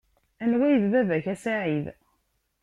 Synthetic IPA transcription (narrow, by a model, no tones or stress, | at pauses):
ænwæjðbævæçæsaʕið